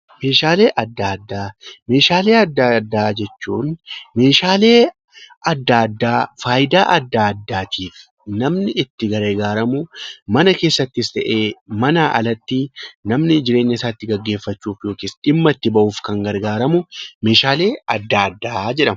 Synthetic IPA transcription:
me̞ːʃaːle̞ːʔɐd̪ːaːd̪ːaːme̞ːʃaːle̞ːɐd̪ːaːd̪ːaːd͡ʒɛt͡ʃːuːnme̞ːʃaːleː | ɐd̪ːaːɐd̪ːaːfaːjɪd̪aːʔɐd̪ːad̪ːaːt̪ʰiːf | nɐmnɪɪt̪ːɪɡɐɾeːɡaːɾɐmʊmɐnɐke̞ːsːɐt̪ːɪst̪ɐʔe̞ːmɐnaːʔɐ̰lɐt̪ːinɐmnɪd͡ʒɪɾe̞ːɲːɐɪsaːt̪ːɪɡɐɡːe̞ːfːɐt͡ʃːuːfjo̞ːkiːsᶑɪmːɐt̪ːɪbɐʔuːfkɐŋɡɐɾɡaːɾɐmʊme̞ːʃaːle̞ːɐd̪ːaːɐd̪ːaːd͡ʒɛᶑɐmɐ

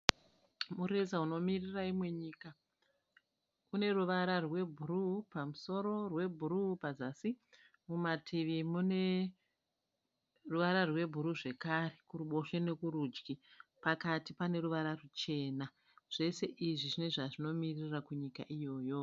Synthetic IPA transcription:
muɾezauno̞miriraimwe̞ɲiːka | kune̞ruʋaɾarwe̞bʱurupamuso̞ɾo̞rwe̞bʱuɾupazasi | mumatʰiʋimune̞ | ruʋaɾarwe̞bʱuɾuʐe̞kare̞kuruɓo̞ʃene̞kuɾuːd͡ʒɡipakatipane̞ɾuʋaɾarut͡ʃe̞ːna | ʐ̥e̞se̞ʔiʐiʐine̞ʐaʐino̞mirirakuɲikaʔijo̞ːjo̞

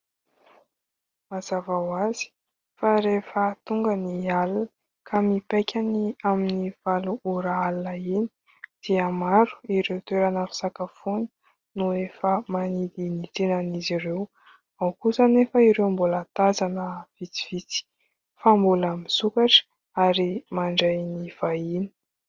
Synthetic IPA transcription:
mazavawazi̥ | faɾefət̪uŋɡənialn | kʰamipajkʲʰaniaminiv̥aluʔuɾaalnaini | d̪̥iəmaɾu̥iɾewt̪weɾanəfi̥sakafunə̥ | nuefəmanid̪init̪enanizirew | awkusənefəiɾewmbulat̪azanəv̥it͡si̥v̥it͡si̥ | fambuləmisukaʈ͡ʂ | aɾimaɳɖ͡ʐajniv̥aini̥

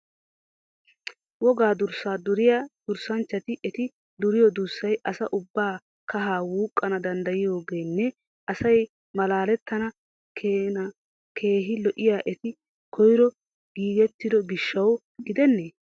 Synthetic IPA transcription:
wɔɡaːd̪ʊɾsaːd̪ʊɾɪjad̪̥ʊɾsɐnt͡ʃːɐt̪ɪʔɛt̪ɪ | d̪ʊɾɪjɔd̪ʊɾsːɐjʔɐsɐʔʊbːaː | kɐɦaːwuːkʼːɐnɐd̪ɐnd̪ɐjɪjo̞ːɡe̞ːnːɛ | ʔɐsɐj | mɐlaːlɛt̪ːɐnɐ | kː | kʰe̞ːɦɪlɔʔɪjaːʔɛt̪ɪ | kʰɔjɪɾɔ | ɡ̥iːɡɛt̪ːɪd̪ɔɡɪʃːɐw | ɡɪd̪ɛnːeː

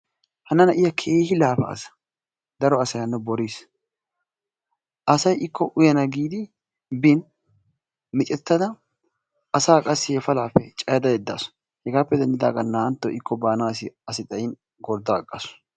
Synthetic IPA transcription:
hɐnːɐnɐʔɪjɐkʰeːhɪlaːfɐ̰ːsɐ̥ | d̪ɐɾɔɐsɐjɐnːɛbɔɾis | ʔɐsɐjʔɪkːɔʔʊjɐnɐɡiːd̪ɪ | bɪn | mɪt͡ʃʼɛt̪ːɐd̪ɐ | ʔɐsaːkʼɐsːɪhɛfɐlaːpːɛt͡ʃʼɐjɐd̪ɐjɛd̪ːa̰sʊ̥ | hɛɡaːpːɛd̪ɐnd̪ɪd̪a̰ːɡɐnːaːnt̪ːɔʔɪkʰːɔbaːnaːsɪɐsɪt̪ʼɐjɪn | ɡɔɾd̪aːkʼːɐsʊ̥

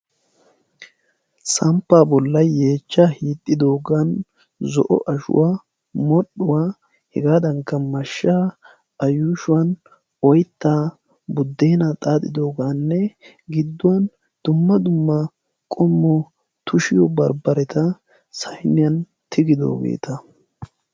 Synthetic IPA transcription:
sɐmpːaːbɔlːɐe̞ːt͡ʃːahiːt̪ʼːɪd̪o̞ːɡan | zɔ̰ʔɔ̰ʔɐʃʊ̰waː | mɔɗʊwaː | hɛɡaːd̪ɐŋkːɐmːɐʃːaː | ɐjuːʃʊwɐn | ɔjt̪ːaː | bʊd̪ːeːnɐt̪ʼaːt̪ɪd̪o̞ːɡaːnːɛ | ɡɪd̪ːʊwɐn | d̪̥ʊmːɐd̪ʊmːɐ | kʼɔmːɔ | t̪ʊʃɪjɔbɐɾbɐɾɛt̪ʰɐ | sɐjnɪjɐn | t̪ɪɡɪd̪o̰ːɡḛːt̪ɐ

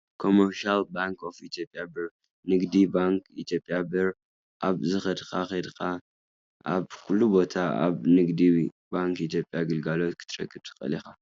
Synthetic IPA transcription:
kʰo̞mɐɾʃalbaŋkʰofit̪ʰjo̞pʼːjabɨɾ | nɨɡd̪ibaŋkit̪ʰjo̞pʼjabɨɾ | ʔaβzɨxɐd̪xʰaxed̪xa | ʔaβkʰulːubo̞t̪ʰaa̰βnɨɡd̪iwi | baŋkit̪jo̞pʼːjaɡɨlɡalo̞t̪kʰɨ̥t̪ʰɾɐ̰kʰːɨb̚t̪ʰɨ̥xʼɐ̰lixa

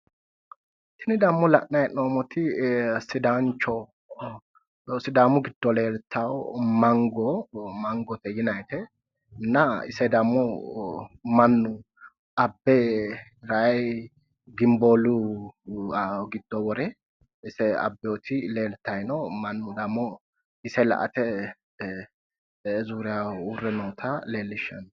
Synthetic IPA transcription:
t̪ɪnɪd̪ɐmːɔlɐʔnɐjnoːmɔt̪ɪsɪd̪aːnt͡ʃːɔ | sɪd̪aːmʊɡɪd̪̥ːɔleːlt̪ʰːawmɐŋɡɔmɐŋɡɔt̪ɛjɪnɐjt̪ɛ | nːɐɪ̰sɛd̪ɐmːɔ | mɐnːʊ | ɐbːɛɾaj | ɡɪmboːlʊ | ɡɪd̪̥ːɔwɔɾɛ | ɪsɛɐ̰bːɛɔt̪ʰɪleːlt̪ːɐjnɔmɐnːʊd̪ɐmːɔ | ɪsɛlɐ̰ʔɐ̰t̪ɛ | zuːɾɪjaʊrːɛnoːt̪ʰɐleːlːɪʃːɐ̰n

